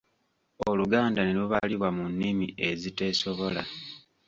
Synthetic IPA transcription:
oluɡaːndaneluβaliβwamunːimie̞zite̞so̞βo̞la̰

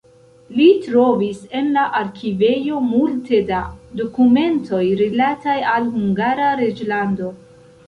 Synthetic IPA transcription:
litɾo̞vise̞nlaʔaɾkive̞jo̞multe̞dado̞kume̞ntʰo̞jɾilatajalhuŋɡaɾaɾe̞d͡ʒlando

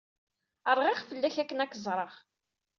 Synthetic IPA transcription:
əɾˤʁiχfəlːæçækːənækːəzˤɾˤəʁ

